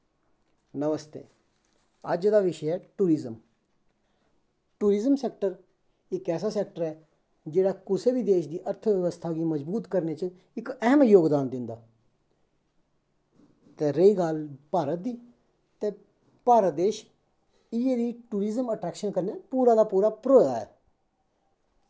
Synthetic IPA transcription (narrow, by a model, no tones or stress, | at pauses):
nəʋəst̪ḛː | əd͡ʒd̪aːʋɪʃəɛːʈuːɾɪzəm | ʈuːɾɪzəmsɛːk̚ʈəɾ | ɪkɛːsaːsɛːk̚ʈəɾɛː | d͡ʒeːɽaːkʊseːbiːd̪eːʃd̪iːʔəɾt̪ʰʋəʋəst̪ʰaːɡiːməzbuːt̪kəɾneːt͡ʃə | ɪkəɦəmjoːɡd̪aːnd̪ɪnd̪aː | t̪eːɾəiːɡaːlpaːɾət̪̚d̪iː | t̪eː | paːɾəd̪eːʃ | ied̪iːʈuːɾizəməʈɾɛːkʃənkəɾneːpuːɾaːd̪aːpuːɾaːpɾoːd̪a̰ːɛ̰ː